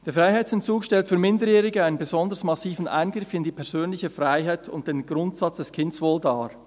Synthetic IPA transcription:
d̥eːɐfʁaɪɦaɪt͡sɛntt͡suːkʃtɛltfyːɐmɪndəjɛːʁɪɡəaɪnənbeɛzɔndəsmɑsiːfn̩ʔa̰ɪnɡʁɪfɪndiːpʰɛɐz̥øːnlɪçəfʁaɪɦaɪtʰʊ̰nt̚d̥eːnɡ̥ʁʊntsɑt͡sd̥ɛskʰɪndəsvoːldaː

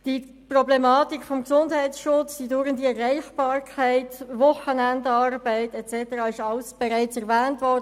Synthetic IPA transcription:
d̥i | prɔblɛmɑːtikfɔmksʊndhɛɪtsʃʊt͡sd̥idʊɾəndiɛɾːɛɪχb̥ɑːɾkʰaɪtvʊχənændɑrbæɪtɛt͡sɛtəɾɑːɪʃɑlsb̥ɛʁaɪt͡sɛʁvɛːntvɔd

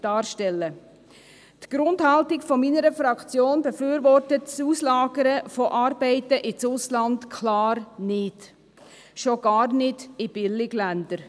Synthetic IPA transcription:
d̥ɑːɾʃtɛlːə | tɡ̥ɾʊndhɑltɪkfɔminəɾəfɾɑkt͡sjoːnbəfyːɾʋɔɾtətsuːslɑːɡəɾəfɔʔɑːɾbɛɪtəʔɪt͡sʊslɑntkʰlɑːɾnɪt | ʃoɡ̥ɑːrnɪdɪb̥ɪlɪɡ̥lænd̥əɾ

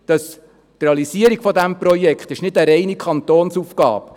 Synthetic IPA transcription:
d̪̥ɑs | t̪ɾeɑlisiəɾiɡ̥fɔdæmpɾɔjɛkχt̪ɪʃnɪdəɾɛɪnikʰχɑnt̪oːnsufkɑ̰ːp

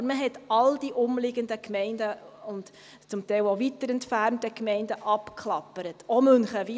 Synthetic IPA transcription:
əɾməɦɛtɑld̥iʔʊmlɪɡəndəkmɛɪndəʊnt | t͡sʊmtɛɪlovitəɾɛntfæɾntəkmɛɪndəʔɑpkʰχlɑpːəɾətomɵnχəʋi

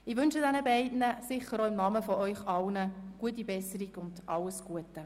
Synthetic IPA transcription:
ɪʋʏnʃədɛnəbɛɪdnəsɪχəɾoɪmnɑməfɔʔœʏχɑlnəɡ̥uət̬ːibɛsəɾiɡʊnd̥ʔɑlːəsɡ̥uətə

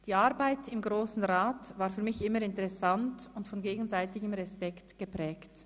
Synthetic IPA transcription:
d̥iːaʁbaɪtɪmɡʁoːsn̩ʁaːtvaːɾfyːɐmɪçʔɪməɾɪntɛʁɛsantʊntfɔnɡeːɡn̩zaɪtɪɡəmʁɛspɛktɡ̥əpʁ̥ɛːkt

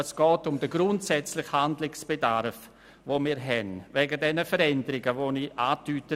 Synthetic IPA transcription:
əsɡ̥ɔːtʊmdəɡɾʊntsɛt͡slɪxhandlɪksb̥edaɾf | voːmiːɾɦɛnvɛːɡədɛnəfəɾɛndəɾɪɡəvoniʔaːtyːtə

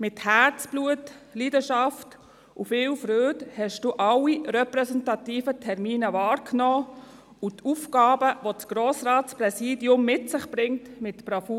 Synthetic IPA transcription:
mɪthæɾt͡sb̥luətliːdəʃɑft | ufɪːlfɾøːdhɛʃd̥uːʔɑlːiɾɛpɾɛsɛntɑtiːfətʰɛɾmiːnəvɑːɾkʰnɔː | utufɡ̥ɑːbəʋot͡sɡ̥ɾoːsɾɑːtspɾɛsiːdiʊmːɪtsɪχb̥ɾɪŋtmɪtb̥ɾɑfu

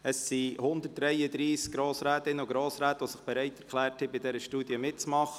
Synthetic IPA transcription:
əsːihʊnd̪ərt̚d̥ɾɛjəd̪ɾiːskɡɾoːsɾæːt̪ɪnəuɡɾoːsɾæːt̪əʋosɪχb̥ɛɾɛɪtɛɾklæːɾthɛbɪdɛɾəʃtuːd̥iəmɪt̚t͡smɑχə

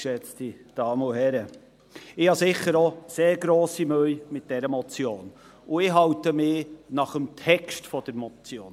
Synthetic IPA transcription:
ʃɛt͡stid̥ɑːməʊɦɛɾə | ɪhɑsɪχəɾoseːɾɡɾoːsimøjmɪt̚d̥ɛɾəmɔt͡sjoːn | ʊɪɦɑwtəmɪːnɑχəmtʰɛkʃtfɔd̥əɾmɔt͡sjoːn

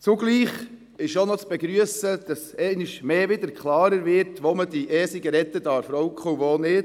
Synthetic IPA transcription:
t͡suɡliːχ | ɪʃonɔt͡sb̥ɛɡɾyəsəd̥ɑsɛɪnɪʃmeːʋɪd̪əɾkχlɑːɾəɾʋɪɾtʋomədiʔɛːsiɡəɾɛt̪ədɑːɾfɾɔwkχəuʋoːnɪt

